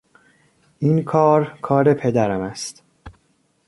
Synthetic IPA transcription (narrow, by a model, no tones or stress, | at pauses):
ʔiːnkʰɒːɾkʰɒːɾe̞pʰe̞d̪æɾæmæst̪